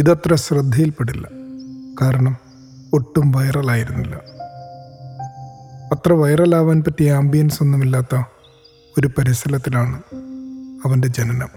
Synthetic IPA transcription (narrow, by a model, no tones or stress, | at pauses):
iðɐt̪rɐɕrɨd̪ʱːɐjilpeɽilːɐ̰kaːɾɐɳɐm | o̞ʈːumʋɐjrɐlaːjiɾunːilːɐ̰ | ɐt̪rɐʋɐjɐrɐlaːʋaːnpɐtːijaːmbijɐnso̞nːumilːaːt̪ːɐ | o̞ɾupɐɾisɐlɐt̪ːilaːɳɨ | ɐʋɐnde̞d͡ʑenɐnɐ̰m